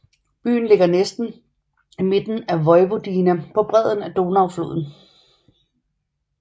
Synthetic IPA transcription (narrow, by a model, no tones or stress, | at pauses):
b̥y̰ːn̩le̝ɡ̥ɐnesd̥n̩ | ime̝d̥n̩æʋɒ̽ɪʋo̝d̥iːnæpʰɒ̽b̥ʁɛð̰ˠn̩æd̥o̝ːnɑ̈ʊflo̝ːðˠn̩